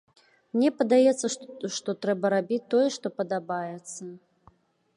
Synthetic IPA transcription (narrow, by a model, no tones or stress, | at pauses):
mnʲɛpɐd̪ajɛt̪sːɐʂt̪ɔt̪ɾɛbɐɾabʲit͡sʲt̪ːɔjɛʂt̪ɔpɐd̪abajɛt̪sːɐ